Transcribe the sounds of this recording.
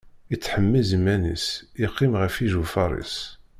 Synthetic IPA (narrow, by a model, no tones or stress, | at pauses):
it͡sːħəmːizmːænḭsiqːimʁəfiʒufɑ̰ɾˤḭs